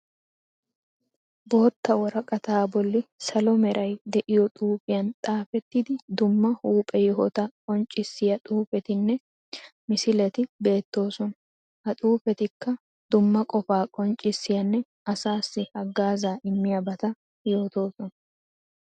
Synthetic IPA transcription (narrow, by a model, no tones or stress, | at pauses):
bo̞ːt̪ːɐwɔɾɐkʼɐt̪aːbɔlːɪsɐlɔmɛɾʔɐjd̪ɛʔɪjɔt̪ʼuːfɪjɐnt̪ʼaːfɛt̪ːɪd̪ɪd̪ʊmːɐhuːpʼɛjɔɦɔ̰t̪ɐkʼɔnt͡ʃʼːɪsːɪjɐt̪ʼuːfɛt̪ɪnːɛ | mɪsɪlɛt̪ɪbe̞ːt̪ːo̞ːsɔn | hɐt̪ʼuːfɛt̪ɪkːɐ | d̪̥ʊmːɐkʼɔfaːkʼɔnt͡ʃʼːɪsːɪjɐnːɛ | ɐsaːsːɪhɐɡːaːzaːʔɪmːɪjɐbɐt̪ɐ | jo̞ːt̪o̞ːsɔnɐ